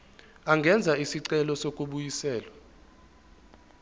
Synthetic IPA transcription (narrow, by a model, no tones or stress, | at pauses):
aŋɡʱɛnd͡zʱaisiǀɛlɔsokʼuɓujisɛːlwa